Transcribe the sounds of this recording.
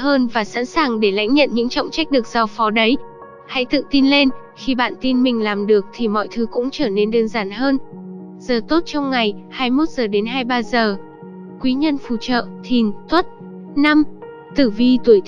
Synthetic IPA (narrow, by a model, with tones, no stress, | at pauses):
həː˧nvaː˨˩sa̰ː˧˥nsaː˨˩ŋɗe˧˩la̰˧˥jŋ̟ɲə̰˧˨nɲɨ̰˧˥ŋt͡ɕɔ̰˧˨wŋ͡mt͡ɕa˦˥k̟̚ɗɨ˨˩ək̚z̥ɔ˧˩fɔ˨˦ɗə˨˦j | ha̰˧˥jt̪ɨ̰˧˨t̪i˧nle˧n | xi˧ɓa̰ː˧˨nt̪i˧nmï˨˩ŋ̟laː˨˩mɗɨ˨˩ək̚t̪ʰi˨˩mɔ̰˧˨jt̪ʰɨ˨˦kʊ̰˧˥ŋ͡mt͡ɕəː˧˩ne˨˧nɗəː˧nzaː˨˩nhəː˧n | z̥əː˨˩t̪o˦˥t̚t͡ɕɔ˧wŋ͡mŋa˨˩jhaː˧jmo˦˥t̚z̥əː˨˩ɗe˨˦nɦaː˧jɓaː˧zəː˨˩ | kwi˨˦ɲə˧nfṵ˧˩t͡ɕə̰ː˧˨t̪ʰi˨˩nt̪ʰwə˦˥t̚ | na˧m | t̪ɨ˧˩vi˧t̪u˧˩əjt̪